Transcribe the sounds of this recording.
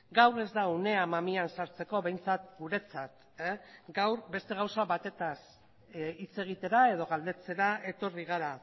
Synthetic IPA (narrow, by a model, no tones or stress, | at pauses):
ɡawre̞zd̪aune̞amamiansaɾt͡se̞ko̞βe̞jnt͡sat̪ɡuɾe̞t͡sat̪ | ɡawɾbe̞st̪e̞ɣ̞awsaβat̪e̞t̪as | it͡se̞ɣ̞it̪e̞ɾae̞ðo̞ɣ̞ald̪e̞t͡se̞ɾae̞t̪o̞riɣ̞aɾa